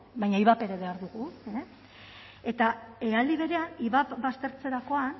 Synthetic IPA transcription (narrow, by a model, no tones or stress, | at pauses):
bajɲaiβape̞ɾe̞βe̞aɾðuɣue | e̞t̪aeald̪iβe̞ɾe̞aniβapbast̪e̞ɾt͡se̞ɾako̞an